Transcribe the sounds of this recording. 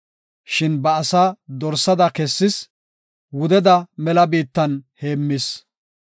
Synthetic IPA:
ʃɪnbɐːsaːd̪ɔɾsɐd̪ɐkɛsːɪs | wʊd̪ɛd̪ɐmɛlɐbiːt̪ːɐnhe̞ːmːɪs

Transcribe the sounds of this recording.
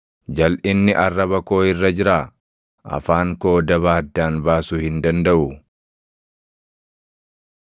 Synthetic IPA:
d͡ʒɐlʔɪnːɪʔɐrːɐβɐko̞ːɪrːɐd͡ʒɪɾaː | ʔɐ̰faːŋko̞ːd̪ɐβaːd̪ːaːnbaːsʊhɪnd̪ɐnd̪ɐʔʊ

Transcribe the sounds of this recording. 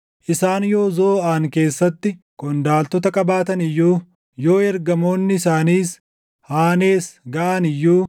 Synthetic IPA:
ʔɪsaːnjo̞ːzoːaːŋke̞ːsːɐt̪ːɪ | kʊnd̪aːlt̪ɔt̪ɐkʼɐbaːt̪ɐnɪjːuː | jo̞ːɛɾɡɐmo̞ːnːɪɪsaːniːs | haːne̞ːsɡɐʔɐnɪjːuː

